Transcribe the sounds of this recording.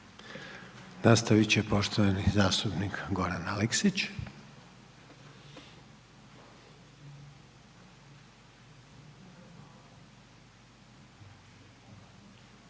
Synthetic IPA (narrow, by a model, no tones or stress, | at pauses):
nast̪aʋit͡ɕepo̞ʃt̪oʋanizaːst̪upnikɡo̞ɾanaleksit͡ɕ